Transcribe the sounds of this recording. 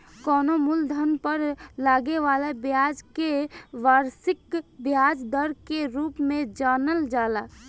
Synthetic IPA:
kɔːnomuld̪ʱənpəɾlaːɡeʋaːlebjaːd͡ʒkeʋaːɾsɪkbjaːd͡ʒd̪əɾkeɾuːpmẽd͡ʒaːnəld͡ʒaːlaː

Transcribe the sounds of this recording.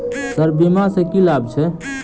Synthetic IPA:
səɾbimasẽkilabt͡ʃʰɛ

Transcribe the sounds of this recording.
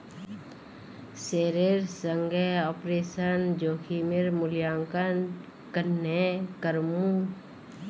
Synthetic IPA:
seːɾeɾsəŋɡeɔːpɾeːsənd͡ʒoːkʰimɪɾmʊljaːŋkən | kənːekəɾmũ

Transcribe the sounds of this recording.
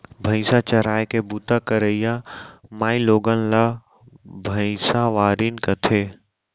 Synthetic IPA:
bʱəɪ̃sat͡ʃəɾaːekebut̪akɐɾəijamaːiloːɡənla | bʱəɪsaʋaːɾinkɐt̪ʰeː

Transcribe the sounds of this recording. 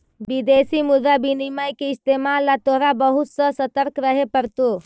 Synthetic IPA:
bid̪esimud̪abinimajkeɪst̪emalːat̪oɾabəɦut̪sə̃sət̪əɾkɾəɦepəɾt̪o

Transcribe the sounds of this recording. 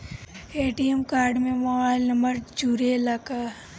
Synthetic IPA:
eːʈiemkaːɾɖmẽmobaːɪlnɐmbəɾd͡ʒuːɾelaːka

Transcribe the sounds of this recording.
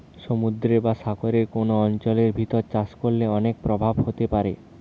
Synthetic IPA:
ʃomud̪ɾebaʃaɡoɾeɾkonoɔnt͡ɕoleɾbʱit̪oɾt͡ɕaskolleɔnek̚pɾobʱabhot̪epaɾe

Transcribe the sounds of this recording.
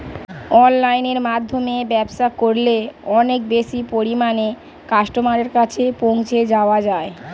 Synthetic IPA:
ɔnlajneɾmad̪ʱːomebɛbʃakoɾleɔnek̚beʃipoɾimane | kaʃʈomaɾeɾkat͡ɕʰepoŋt͡ɕʰed͡ʑaoad͡ʑae

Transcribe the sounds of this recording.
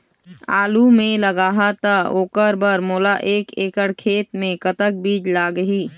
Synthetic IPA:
aːlumẽləɡaːɦat̪aoːkəɾbəɾmoːlaʔeːkeːkəɽkʰeːt̪mẽkət̪ək̚biːd͡ʒlaːɡəɦiː

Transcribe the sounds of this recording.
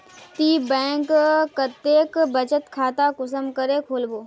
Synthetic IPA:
t̪iːbɛ̃ːŋkːət̪eːkbət͡ʃət̪kʰaːt̪akʊsəmkəɾeːkʰoːlboː

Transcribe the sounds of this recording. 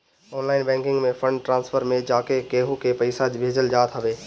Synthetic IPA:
ɔːnlaːɪnbɛ̃ːŋkɪ̃ŋɡmẽfə̃ɳɖʈɾãːnsfʰəɾmẽd͡ʑaːkekeːɦukʰepɐɪsad͡ʑbʱeːd͡ʑəld͡ʑaːt̪ʰaʋeː

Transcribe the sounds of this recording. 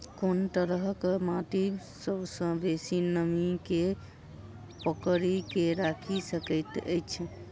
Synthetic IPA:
kont̪əɾəɦkmat̪i | səbsə̃besinəmike | pəkɾikeɾakʰisəkəjt̪ə̰jt͡ʃʰ

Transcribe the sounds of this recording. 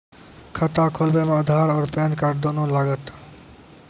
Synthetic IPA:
kʰat̪akʰolbemad̪ʱaɾɔːɾpenkaɾd̪onolaɡət̪

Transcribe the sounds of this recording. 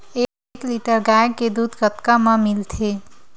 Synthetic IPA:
e | kliʈəɾɡajked̪uːd̪ʱɡət̪kamãmɪlt̪ʰe

